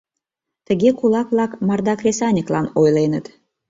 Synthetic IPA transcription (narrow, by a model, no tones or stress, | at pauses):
t̪əɣʲekulɑkβlɑkmɑrd̪ɑkrʲesɑnʲəklɑnojlenət̪